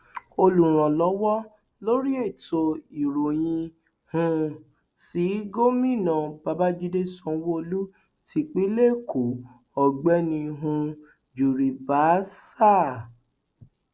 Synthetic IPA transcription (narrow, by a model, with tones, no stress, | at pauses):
o˧lu˨ɾ̃ɔ̃˨lɔ˨˦wɔ˦ | lo˦ɾi˦e˦˨to˧i˨ɾo˨j̃ĩ˧ | hũ˧ | si˨˦ɡo˦mĩ˦˨nã˨ba˧ba˦d͡ʒi˦de˦sɔ̃˦˧˦wo˦o˧lu˦ | tʰi˧k͡pi˦le˦˨kʰu˨˦ | ɔ˨ɡ͡bɛ˦nĩ˧ɦũ˧ | d͡ʒu˨ɾi˨ba˨˦sa˦˨